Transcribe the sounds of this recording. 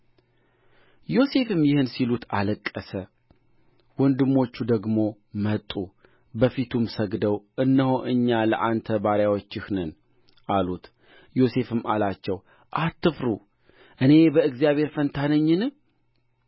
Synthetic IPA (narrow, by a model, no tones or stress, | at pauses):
jo̞se̞fɨmjɪhɨnsilut̪aləkʼːəsə | wɔnd̪ɨmːo̞t͡ʃːud̪əɡmo̞ | mət̪ʼːu | bəfit̪ʰumsəɡd̪əwʔɨnːəhoʔɨɲːalə̰ʔant̪ʰəbaɾjawo̞t͡ʃːɪhnɨn | ʔalut̪ | jo̞se̞fɨmalat͡ʃːɛw | ʔat̪ːɨfɾu | ʔɨne̞bəɨɡzijaβʱe̞ɾfənt̪ʰanəɲːɨnɨ